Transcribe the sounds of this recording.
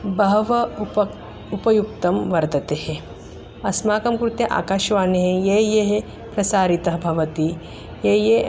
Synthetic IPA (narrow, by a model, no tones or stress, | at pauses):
bɐɦʋɐ | upɐjuk̚t̪ɐmʋɐɾd̪ɐt̪ehe | ɐsmaːkɐmkɾut̪jɐʔa̰ːkaːʃʋaːneɦejejeɦe | pɾɐsaːɾit̪ɐɦbʱɐʋɐt̪i | jeje